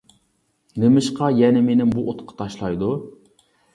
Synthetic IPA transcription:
nemɪʃqʰɑjɛnɪmenɪmbuʔot̪qʰɑ̥t̪ʰɑʃlˠɑjd̪u

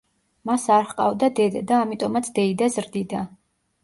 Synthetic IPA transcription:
masaɾχqʼa̰vd̪ad̪ɛd̪ad̪aːmit̪ʼɔmat̪sʰd̪ɛid̪azɾd̪id̪a

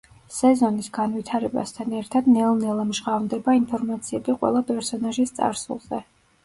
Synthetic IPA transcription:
sɛzɔnisɡ̥anvit̪ʰaɾɛba̰st̪ʰanɛɾt̪ʰad̪nɛlˠnɛlˠɛmʒʁavmd̪ɛbainpʰɔɾmat̪sʰiɛbiqʼwɛ̰lˠapʼɛɾsɔnaʒist̪sʼa̰ɾsṵlˠzɛ

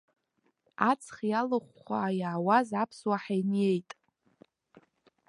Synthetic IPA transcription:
at͡sʰχjalɨχʷaːjaʕːwazapʰswaħajnje̞jtʼ

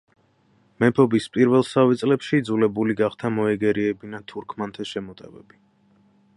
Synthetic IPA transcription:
mɛpʰɔbispʼiɾvɛlˠsavɛt̪sʼlɛpʃiːd̪zulɛbuliɡaχt̪ʰamɔɛɡɛɾiɛbinat̪ʰuɾkʰmant̪ʰɛʃɛmɔt̪ʼɛbɛbi

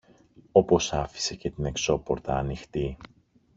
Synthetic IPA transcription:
o̞po̞sɐfi̥se̞ce̞t̪ine̞kso̞po̞ɾt̪ɐːnixt̪i

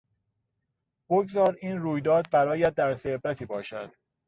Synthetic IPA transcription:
b̥oɡzɒːɾiːnruːjd̪ɒːd̪̚bæɾɒːjæd̪̚ːæɾsebɾæt̪ʰiːbɒːʃæ̰d̪̥

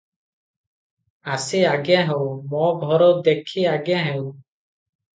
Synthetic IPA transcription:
aːseːaːɡãːɦɛumɔ̃ːɡʱɔɾoːd̪ekʰiːaːɡjãːɦɛũː

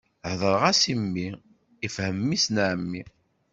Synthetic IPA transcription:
hðˤəɾˤʁasimːi | ifhəmːisnʕmːi

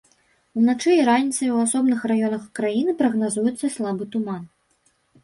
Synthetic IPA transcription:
unat͡ʂɨiɾanʲit̪sɐjwasɔbnɨxrajɔnɐxkɾajinɨpɾɐɣnazujɛt̪sːɐslˠabɨt̪uman

